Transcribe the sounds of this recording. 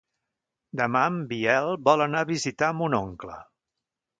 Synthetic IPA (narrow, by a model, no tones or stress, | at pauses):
d̪əmambiɛlˠbɔlənaβizit̪aəmunoŋklə̰